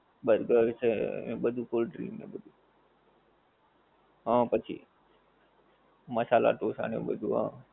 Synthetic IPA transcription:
ɓəɾɡəɾseɓəd̪ʱuːkoːlɖɾḭːmḛ̃ːɓəd̪ʱuː | ɦãːpət͡ʃʰḭː | məsaːla̰ːʈoːsa̰ːnjõ̰ːɓəd̪ʱuːɦã̰ː

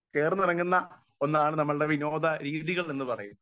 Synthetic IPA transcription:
ke̞ːrɐnːirɐŋːunːɐ | o̞nːaːɳɨnɐmːɐɭɨɽe̞ʋino̞ːd̪ɐɾiːðiɣɐɭenːɨpɐrɐjunː

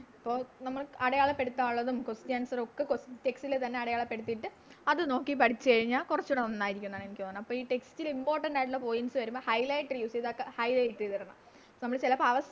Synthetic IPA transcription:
ɐpːo̞ːnɐmːɐɭɐɽɐjaːɭɐpːe̞ɽut̪ːaːɭːɐðumkostjaːnsɐrokːekoste̞kstilet̪ɐnːeɐɽɐjaːɭɐpːe̞ɽut̪ːijʈːɨ | ɐðɨno̞ːkːipɐɽit͡ɕːɨkɐɻiɲːaːlkurɐt͡ɕːuɽeonːaːjiɾikʲːunːðaːɳe̞nikʲːɐːnːɳɐmːɐpːoːiːʈe̞kstilimbo̞ːrʈɐɳɖaːjʈ̬ːuɭːɐpo̞ːjinsɨʋɐɾumboːhɐjlɐjʈːɐrjuːseðakːehɐjlɐjiʈːɨðɐɾɐɳɐ̰mː | nɐmːɐɭt͡ɕilɐpɐʋɐs

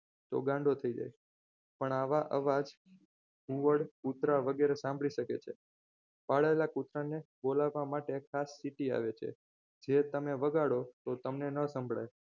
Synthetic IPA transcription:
t̪o̰ɡãɳɖot̪ʰəid͡ʒa̰j | pəɳaʋaʔə̰ʋad͡ʒ | uʋəɽkut̪ɾaʋəɡeɾesãmbɭiʃəkḛt͡ʃʰe | paɭaelakut̪ɾanebolaʋːamaʈekʰasːiʈia̰ʋet͡ʃʰḛ | d͡ʒet̪əmeʋəɡaɽot̪ot̪əmnenəsəmbʱɭa̰j

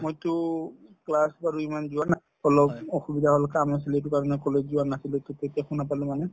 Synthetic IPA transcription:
mojtʊklasbaɹuimanzʊana | ɔlɔbɔxubidʱaɦɔlkamnas̬iletʊkaɹɔnɛkɔlezuanasiletʊtetiaxunapalʊ̃manɛ

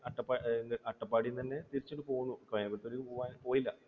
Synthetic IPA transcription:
ɐʈːɐpːaːnːɐʈːɐpːaːɽijnt̪ɐnːe̞t̪iɾit͡ɕːoʈːɨpo̞ːɣunːukɐɭːɐpːet̪ːoɾipoːʋaːnipo̞ːjilːɐ

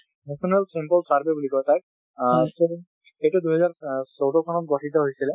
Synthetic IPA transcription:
nɛsʰɔnalsempɔlsaɹbebulikɔt̪ajk̚ | so | ejtuduɦɛzaɹsowtɔkʰɔnɔt̚ɡɔʈʰitɔɦojsilɛ

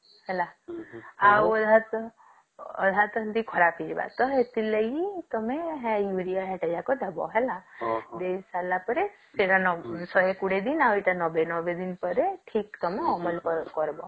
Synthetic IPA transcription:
hɛla | awɔd̪ʱat̪ | ɔ̰d̪ʱat̪ənd̪ikʰɔɾapʰid͡ʒba̰t̪ɔet̪iləɡit̪ɔmẽɦɛjuɾijaɦɛʈejakod̪ʱəbɔ̰ɦɛlad̪esalapəɾeseɾanɔsɔɦekuɽed̪inawiʈanɔbenɔbed̪inpəɾeʈʰiːkt̪ɔmẽɔməlkɔɾbɔ̰

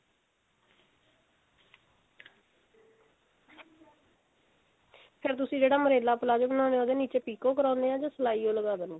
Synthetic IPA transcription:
pʰɪɾt̪̬ʊsĩːd͡ʒeːɽaːməɾeːlaːpəlaːd͡ʒbənãːneõːd̪eːniːt͡ʃeːpiːkõːkəɾãːnd̪eːɦãːd͡ʒãːsəlaːiːõːləɡaːd̪ənː

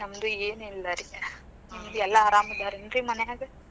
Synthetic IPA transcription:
nɐmd̪ueːnilːɐɾienimd̪uɛlːɐːɾaːmɐd̪ʱaːɾinɾimɐnɛjaːɡɐ

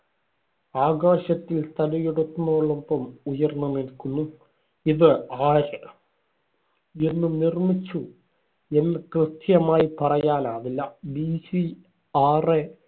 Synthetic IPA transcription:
aːɡaːɕɐt̪ːilst̪ʰɐlɐjeɽut̪ːunːɐoːɭːɐmbɐmujɐrnːɐnilkːunːu | iðɨaːɾɨ | e̞nːunirmit͡ɕːu | e̞nːɨkrɨt̪ʰjɐmaːjipɐrɐjaːnaːʋilːɐbisi | aːre

